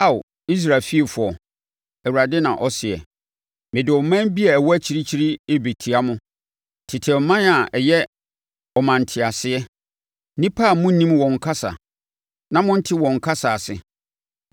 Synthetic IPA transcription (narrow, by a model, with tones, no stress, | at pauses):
a˦˨w | i˦s̬ɾa˨fi˦e˨fʊ˨ɔ˨ | ɛ˨wu˨ɾa˨dɪ˦nã̰˨ʔɔ˦sɪ˨ɛ̰˨ | mɪ̃˨dɪ˨ɔ˨˦mã˦bi˦ɛ˨wɔ˦æ˦t͡ɕʰi˦ɾi˦t͡ɕʰi˦ɾi˦e˦be˨tʰi˨a˦mʊ̃˦ | tʰɪ˨tʰɛ˨˦mã˦na˨ɛ˨jɛ˦ | ɔ˨mã˨n̩˨tʰɪ˨a˨sɪ˦ɛ˦ | nĩ˦pʰa˦˨mʊ̃˦nĩ˦mwɔ̃˨ŋ̩˨kʰa˦sa̰˨ | nã˦mʊ̃˦n̩˦tʰɪ˦wɔ̃˨ŋ̩˨kʰa˦sa˨sɪ˨